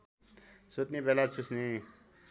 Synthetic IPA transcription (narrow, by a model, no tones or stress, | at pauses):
sot̪nibelasʰusni